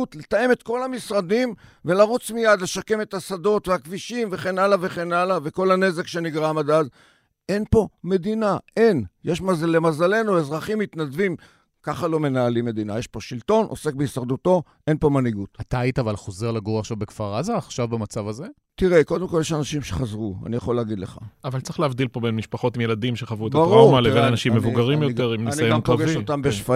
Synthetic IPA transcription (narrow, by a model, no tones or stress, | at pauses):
ut̪le̞t̪aje̞me̞t̪ko̞lamisʁad̪imve̞laʁut͡smijad̪le̞ʃake̞me̞t̪hasado̞tveakviʃimveχe̞nalave̞χe̞nalave̞ko̞lane̞ze̞kʃe̞niɡʁamad̪az | ʔe̞npo̞me̞d̪inaʔe̞njeʃmazalemazale̞nuezʁaχimːit̪nad̪vim | kaχalo̞me̞naːlimːe̞dina̰jeʃpo̞ʃilto̞nʔo̞̰se̞k̚beisaʁd̪uto̞ | ʔe̞npo̞maniɡutat̪aːjitavalχo̞ze̞ʁlaɡoʁaʃavbekfaʁazaːχʃavbamat͡savaze | t̪iʁeko̞d̪emko̞ljeʃanaʃimʃeχazʁua̰nijaχo̞leːɡid̪leχa̰avalt͡sʁiχleavd̪ilpo̞benmiʃpaχo̞t̪imjeladimʃeχavuetabaʁuaʁmalevvenanaʃimːevuɡaʁimjo̞teʁimniansijoanklaɡeʃot̪ambeʃfa